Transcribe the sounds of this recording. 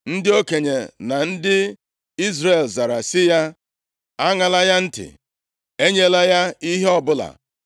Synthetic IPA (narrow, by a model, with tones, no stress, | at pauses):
n̩˦dɪ˦o˦ke˨ɲe˨na˨n̩˦dɪ˦ | i˦zɾe˨lza˨ɾa˨sɪ˦ja˦ | a˦ŋa˨la˦ja˦n̩˦tɪ̰˨ | e˦ɲe˦la˦ja˦i˦ɦe˦ɔ˨bʊ˦la̰˨